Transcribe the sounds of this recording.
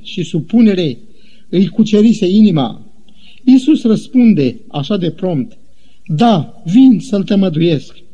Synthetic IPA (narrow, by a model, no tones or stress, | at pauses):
ʃisupune̞ɾe̞ | ɨjkut͡ʃe̞ɾise̞inima̰ | isusrəspund̪e̞ | aʃad̪e̞pɾo̞mt̪ | d̪a | vinsəlt̪əməd̪uje̞sk